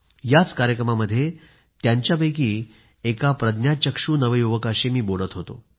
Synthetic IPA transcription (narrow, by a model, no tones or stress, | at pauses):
jat͡skaɾjəkɾəmaməd̪ʱːje | t̪jaɲt͡ɕjabəjkiː | ekapɾəd̪njat͡ɕəkʂuːnəʋəjuʋəkaɕemiːboɽ̤ət̪ɦot̪o̰